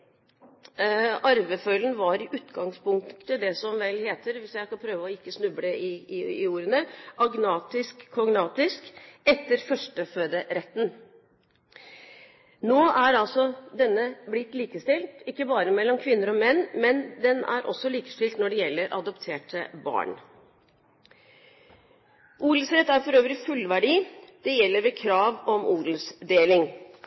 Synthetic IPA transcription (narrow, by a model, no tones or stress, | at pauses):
ɑɾʋəfœlənʋɑɾɪʔʉːt̪ɡɑŋspʰʊŋk̪t̪əd̪ɛsɔmʋɛlːheːt̪əɾʋɪsjæɪskɑpʰɾøːʋəɔɪkːəsnʉbləɪuːɾənəʔɑɡnɑːt̪ɪskʰːɔŋnɑːt̪ɪskɛt̪ːəɾfœʂʈəføːd̪əɾɛt̪ːn̩ | noːʔæɾɑlsɔd̪ɛnːəblɪt̪ːliːkəst̪ɪlt̪ɪkːəbɑːɾəmɛlːɔmkʰʋɪnːəɾɔmɛnːmɛnd̪ɛnæ̰ɾʔɔ̰sːɔliːkə̥st̪ɪlt̪nɔɖɛjɛlːəɾʔɑ̰d̪ɔpt̪ʰeːʈəbɑ̰ːɳ | ʔuːd̪l̩sɾɛt̪ːæɾfɔɾøːʋɾɪfʉlːʋæɖiːd̪̥ɛjɛlːəɾʋɛkʰɾɑːʋɔmuːd̪ləsd̪eːlɪŋ